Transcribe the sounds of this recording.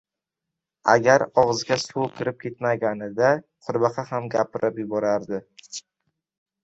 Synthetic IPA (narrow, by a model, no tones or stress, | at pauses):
a̰ɡʲaɾɒʁɨzɡʲasuwˠkʲʰɪɾɪp̚kʲʰe̞t̪maɡʲanɪd̪a | qʰʊɾbɑqʰɑhamɡʲapʰɪɾɪpjʊbɒɾaɾd̪ɪ